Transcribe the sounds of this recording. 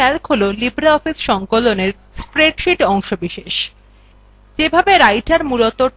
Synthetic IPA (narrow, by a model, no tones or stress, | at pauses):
ɛlkɦololibɾaɔfisʃɔŋkoloneɾ | spɾeʈʃiʈɔŋʃobiʃeʃ | d͡ʑebʱabeɾajʈaɾmulot̪o